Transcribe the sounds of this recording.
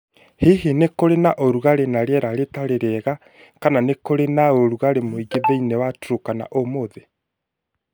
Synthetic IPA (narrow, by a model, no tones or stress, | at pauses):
heɦenekoɾenaʔoɾuɣaɾenaɾeɛɾaɾetaɾeɾɛɣa | kananekoɾenaoɾuɣaɾemoiɡeβeinewatɾokana̰ʔomoðe